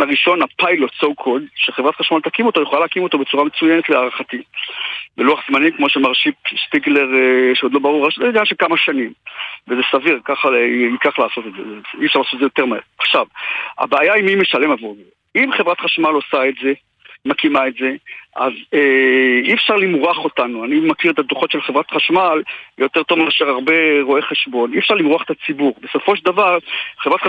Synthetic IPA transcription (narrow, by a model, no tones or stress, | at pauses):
aʁiʃo̞napajlot͡sowkʰo̞dʃeχevʁatχaʃmaltakimo̞t̪o̞jeχolalaakimo̞t̪o̞be̞t͡suʁamet͡sujenetleaʁaχati | beluaχzmanikmo̞ʃemaʁʃipspiɡle̞ʁʃeo̞d̪lo̞baʁuʁaʃenanʃekamaʃanimvezesaviʁkaχaikaχlaːso̞t̪etzezeiefʃaʁlaːsot̪ezejo̞t̪e̞ʁmaeʁaχʃava̰beːjaimimeʃalemavoʁze | imχevʁat̪χaʃmalosaetze̞ | makimaetze̞ʔa̰zeiefʃaʁlimʁaχo̞tanuanimakiʁet̪ad̪uχo̞tʃelχevʁat̪χaʃmaljo̞t̪e̞ʁt̪o̞vmeaʃeʁaʁbe̞ʁo̞e̞χe̞ʃbo̞niefʃaʁlimʁuaχe̥t̪at͡sibuʁbe̞so̞fo̞ʃ̬d̪avaʁχevʁat̪